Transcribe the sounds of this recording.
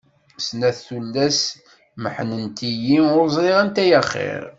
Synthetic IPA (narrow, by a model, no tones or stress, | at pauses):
snæθθulːæs | məħnənt̪ijiʊɾzˤɾiʁænt̪æjæχːɪ̰ɾ